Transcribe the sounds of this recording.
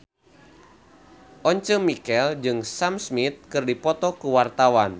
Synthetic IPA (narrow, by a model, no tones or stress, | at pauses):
ʔɔɲt͡ʃəmikɛld͡ʒɨŋsamsmit̪̚kɨrdipɔt̪ɔkuwart̪awan